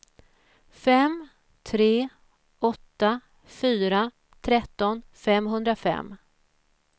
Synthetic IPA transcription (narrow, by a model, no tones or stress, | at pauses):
fɛm | t̪ʰɾeː | ɔt̪ːa | fyːɾa | t̪ʰɾɛt̪ːɔnfɛmɦɵnd̪ɾafɛ̰mː